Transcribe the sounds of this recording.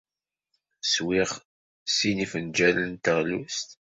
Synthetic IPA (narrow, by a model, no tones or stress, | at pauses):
swiʁ | sinifənd͡ʒælənt̪əʁlust̪